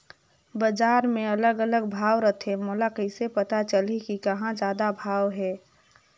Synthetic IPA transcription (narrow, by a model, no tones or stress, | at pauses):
bəd͡ʒaːɾmẽɐləɡələɡbʱaːʋɾət̪ʰemoːlakəɪsepət̪at͡ʃəlikikəɦãd͡ʒjaːd̪abʱaːwɦɛː